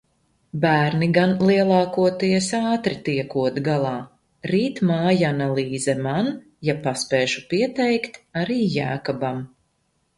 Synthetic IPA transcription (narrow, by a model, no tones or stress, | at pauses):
bæːɾniɡanlˠiɛlˠɑːkuɔt̪iɛsaːt̪ɾit̪iɛkuɔt̪ɡalˠɑː | ɾiːt̪maːjanalˠiːzɛman | japaspɛːʃupiɛt̪ɛjkt̪aɾiːjæːkɔbam